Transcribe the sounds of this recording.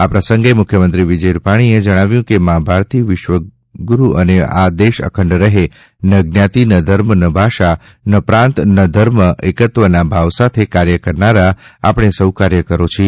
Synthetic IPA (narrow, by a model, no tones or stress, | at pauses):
apɾəsəŋɡemʊkʰjəmənt̪ɾiʋid͡ʒəjɾupaɽ̃ied͡ʒəɽ̃aʋjũkemãbʱaɾt̪iʋɪʃʋə | ɡuɾuʔənea̰d̪eʃə̰kʰə̃ɳɖɾəɦe | nəɡnjat̪inəd̪ʱəɾmnəbʱaʃa | nəpɾãnt̪nəd̪ʱəɾməekət̪ʋənabʱaʋsat̪ʰekaɾjəkəɾnaɾaa̰pɽ̃esəwkaɾjəkəɾot͡ʃʰi